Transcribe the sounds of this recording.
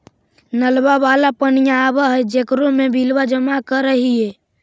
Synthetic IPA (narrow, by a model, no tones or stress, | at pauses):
nəlbaʋaːlapənijãːbaɦd͡ʒekɾomebʱilwad͡ʒəmakəɾəɦiɦɛ